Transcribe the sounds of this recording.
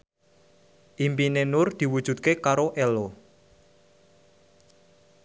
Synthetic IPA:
ʔimpinenʊrd̪̥i̤wud̥ʒ̥ṳt̪̚kekaɾoʔelo

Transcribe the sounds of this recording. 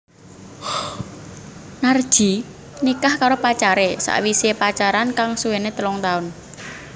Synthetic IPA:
nar̥ʒ̥i̤ | nikahkaɾopat͡ʃaɾesa̰ʔwisepat͡ʃaɾankaŋsuwenet̪əlɔŋt̪aʊn

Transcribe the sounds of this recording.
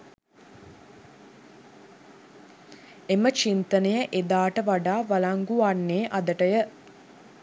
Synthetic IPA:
emət͡ʃint̪ənejəʔed̪aːʈəʋaɖaːʋalaŋɡuanːeːʔad̪əʈəjə

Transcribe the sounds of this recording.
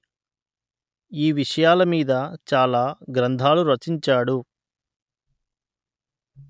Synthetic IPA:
iːʋiʂɐjaːlɐmiːd̪ɐt͡ʃaːlaːɡɾɐnd̪ʱaːluɾɐt͡ʃiɲt͡ʃaːɽu

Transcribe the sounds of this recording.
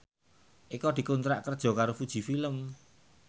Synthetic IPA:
ʔikɔd̪̥i̤kunt̪ɾa̰ʔkərd̥ʒ̥ɔ̤kaɾofud̥ʒ̥i̤filəm

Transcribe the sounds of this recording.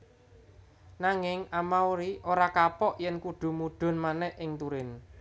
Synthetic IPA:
naŋɪŋamawɾiʔoɾakapɔʔjɛnkuɖ̥ṳmuɖ̥ɔ̤nmanɛhʔʔɪŋt̪uɾɪn

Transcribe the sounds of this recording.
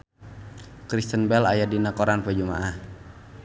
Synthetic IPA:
kɾist̪ənbɛlajadinakoɾanpəd͡ʒumaʔah

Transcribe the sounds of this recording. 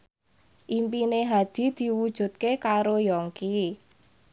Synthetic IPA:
ʔimpineɦad̪̥i̤d̪̥i̤wud̥ʒ̥ṳt̪̚kekaɾojɔŋki

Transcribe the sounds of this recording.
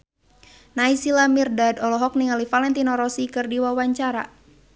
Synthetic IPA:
naisilamirdadɔlɔɦɔk̚niŋalifalɛnt̪inɔɾɔsikɨrdiwawaɲt͡ʃaɾa̰

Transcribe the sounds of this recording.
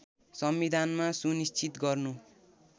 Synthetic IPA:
sʌmbid̪ʱanmasunist͡ʃʰit̪ɡʌrnu

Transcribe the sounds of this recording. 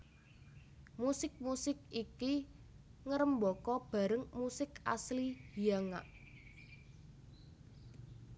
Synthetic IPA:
musɪk̚musɪk̚iki | ŋəɾəmbɔkɔb̥a̤ɾəŋmusɪka̰sliijaŋa̰ʔ

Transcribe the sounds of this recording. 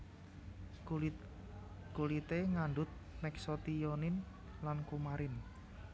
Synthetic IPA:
kulit̪eŋaɳɖʊt̪̚mɛksot̪ijonɪn | lankumaɾɪn

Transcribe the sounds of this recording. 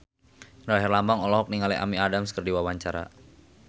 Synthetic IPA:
raɦɛrlambaŋɔlɔɦɔk̚niŋaliʔa̰miadamskərdiwawaɲt͡ʃaɾa̰

